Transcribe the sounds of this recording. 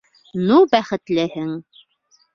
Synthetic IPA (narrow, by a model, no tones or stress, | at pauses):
nubæχɘ̆t̪lɘhɘŋ